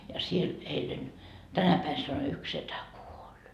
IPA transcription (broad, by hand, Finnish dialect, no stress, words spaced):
jɑ siel eilen tænæ pæi sɑno yks setæ kuolʲ